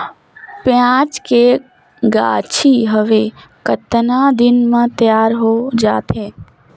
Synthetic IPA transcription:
pjãːt͡ʃke | ɡa̰ːt͡ʃʰiɦəʋekət̪nad̪ɪnmãt̪əjaːɾɦod͡ʒaːt̪ʰẽː

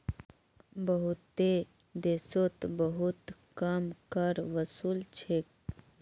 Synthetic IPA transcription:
bɐɦut̪ːe | d̪eːsot̪bəɦut̪kaːmkəɾʋəsuːlt͡ʃʰek

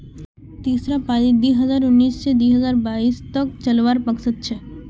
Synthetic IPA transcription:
t̪isɾapaid̪ujɦəd͡ʑaɾunːist͡ʃed̪uiɦəd͡ʑaɾbaist̪ɔk̚t͡ɕəlʋaɾpəksət̪̚t͡ɕʰe

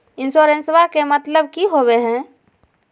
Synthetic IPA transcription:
insoɾẽnswakemət̪ləb̚kiɦobeɦɛ̃

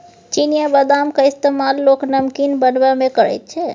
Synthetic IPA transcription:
t͡ʃinijəbəd̪amkaɪst̪emalːoknəmkinbənbamẽkəɾɛ̰t̪̚t͡ʃʰɛ

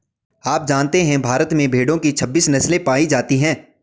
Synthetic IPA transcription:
aːp̚d͡ʒaːnt̪eɦɛ̃bʱaːɾət̪mẽbʱeːɖõkit͡ʃʰɐbːiːsnɐslẽpaːid͡ʒaːt̪iɦɛ̃ː

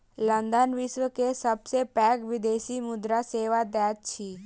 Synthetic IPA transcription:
lə̃nd̪ənʋɪʃwəkesəbsepɛːɡʋɪd̪eːʃimʊd̪ɾaseːʋad̪ɛːt̪t͡ʃʰi

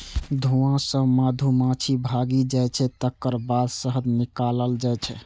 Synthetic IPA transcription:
d̪ʱuãsə̃mad̪ʱumãt͡ʃʰibʱaɡid͡ʒajt͡ʃʰɛt̪əkːəɾbad̪səɦəd̪nikaləld͡ʒajt͡ʃʰɛ

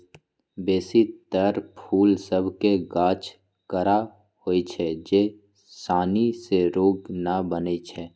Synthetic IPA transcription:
beːsit̪əɾpʰuːlsəbʱkeɡaːt͡ʃ | kəɾa | hoːit͡ʃʰɛd͡ʒe | saːniseɾoːɡnabənet͡ʃʰɛː

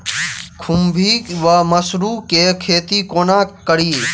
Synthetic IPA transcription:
kʰʊmbʱiːʋaːməsɾuːkeːkʰeːt̪iːkoːnãːkəɽiː

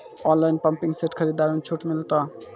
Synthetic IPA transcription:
ɔnlajnpəmpiŋseʈkʰəɾid̪aɾmet͡ʃʰuʈmilt̪ɔ

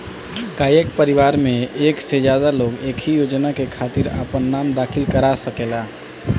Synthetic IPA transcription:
kaːjekpəɾiʋaːɾmẽeːksed͡ʒjad̪aloːɡeːkʰijoːd͡ʒnakekʰaːt̪iɾa̰pənːaːmd̪aːkʰɪlkəɾasəkeːla

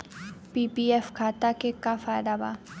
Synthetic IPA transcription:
pipiɛfkʰaːt̪akekafaːjd̪aba̰

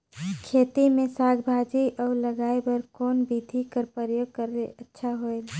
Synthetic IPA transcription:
kʰeːt̪imẽsaːɡbʱad͡ʒiʔɔːləɡaːebəɾkɔːnbid̪ʱikəɾpəɾjoɡ̚kəɾeətːʃʰaɦoel

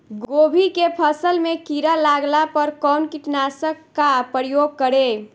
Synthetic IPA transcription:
ɡobʱikepʰəsəlmekiɾalaɡlapəɾkɔʊnkiʈnasəkːapəjoɡ̚kəɾe

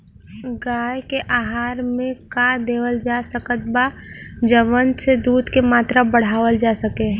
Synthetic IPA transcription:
ɡaːjkeʔaɦaːɾmẽkad̪eːʋəld͡ʒasəkət̪̚bad͡ʒəʋənsed̪uːd̪ʱkemaːt̪ɾabəɽ̤aːʋəld͡ʒasəkeɦ

